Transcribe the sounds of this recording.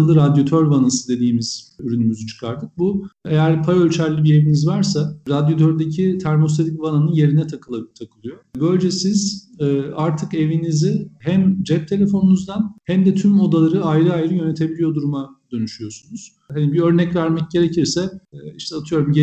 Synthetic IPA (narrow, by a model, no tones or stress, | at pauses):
lˠɯɾad̪jo̞t̪ʰøɾvanasɯd̪e̞d̪iːmiz̥yɾynymyzyt͡ʃʰɯ̥kʰaɾd̪ɯk̚buejæɾpʰajølʲt͡ʃʰæɾlʲibie̞vinizvaɾsaɾad̪jo̞t̪ʰøɾd̪ecʰit̪ʰæɾmo̞st̪ʰed̪ʲicvananɯnje̞ɾinɛt̪ʰkˠt̪ʰakʰɯlˠɯjobø̞lʲd͡ʒɛsiz̥ɛːaɾt̪ʰɯke̞vinizihæmd͡ʒɛp̚t̪ʰe̞lʲe̞fo̞nunuzd̪anhæmd̪ɛt̪ʰymo̞d̪alˠaɾɯajɾɯajɾɯjø̞ne̞t̪ʰe̞bilʲijo̞d̪uɾumad̪̥ø̞nyʃyjo̞sunuz̥ | hanibiø̞ɾnɛcvæɾmɛc̚ɟe̞ɾe̞cʰiɾsɛiʃt̪ʰɛat̪ʰɯjo̞ɾumɟe